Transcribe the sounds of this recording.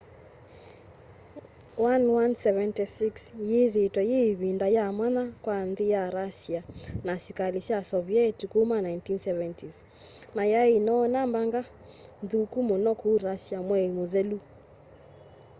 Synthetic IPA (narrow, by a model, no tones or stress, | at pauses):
wanwansɛvɛntisiksjeðetwɛjeβindajamwanakwanðijaɾasianasikalisjasɔβiɛtikumanajntinsɛvɛntis | najainɔːnambaŋɡa | nðukumonɔkuɾasiamwɛimoðɛlu